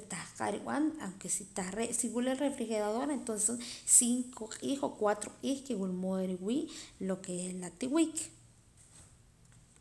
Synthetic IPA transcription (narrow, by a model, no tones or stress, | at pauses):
t̪ahqʼa̰ʔɾḭɓ̰a̰na̰wŋkesit̪aχɾeʔsiwulelrefɾixeɾaðoɾent̪onsessiŋkʰoqʼixokwat̪ɾoqʼiːxkewulmoðeɾiwiːʔlokelat̪iwik